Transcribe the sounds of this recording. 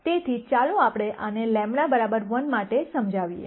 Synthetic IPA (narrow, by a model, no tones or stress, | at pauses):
t̪et̪ʰit͡ʃalũapɽ̃eʔʔənelɛ̃mɳabəɾabəɾʋənmaʈesəmd͡ʒʱaʋiḛ